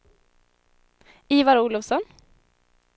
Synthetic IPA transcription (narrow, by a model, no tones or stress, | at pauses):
iːvaɾuːlɔvsɔn